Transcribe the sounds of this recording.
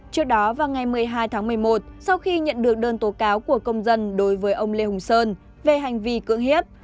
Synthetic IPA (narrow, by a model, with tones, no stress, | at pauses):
t͡ɕɨ˦˥ək̚ɗɔ˨˦vaː˨˩wŋa˨˩jmɨ˨˩əjɦaː˧jt̪ʰaː˨˦ŋmɨ˨˩əjmo˨˩t̚sa˧wxi˧ɲə̰˧˨nɗɨ˨˩ək̚ɗəː˧nt̪o˨˦kaː˨˦wku˧˩əkə˧wŋ͡mzə˧nɗo˨˦jvəː˨˦jʔə˧wŋ͡mle˧hʊ˨˩ŋ͡msəː˧n | ve˨˩ɦa˨˩jŋ̟vi˧˩kɨ̰˧˥əŋɦi˦˥əp̚